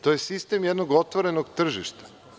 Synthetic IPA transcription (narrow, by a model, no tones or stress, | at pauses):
t̪ojesist̪emjed̪noɡo̞t̪ʋoɾe̞noɡt̪r̩ʒiʃt̪ḁ